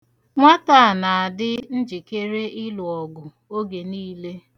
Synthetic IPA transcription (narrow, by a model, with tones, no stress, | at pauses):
ŋʷa˦ta˦˨a˨na˨a˨dɪ˦n̩˦d͡ʒi˨ke˦ɾe˦ɪ˦lʊ˨ɔ˨ɡʊ˨ | o˦ɡe˨niː˦le˦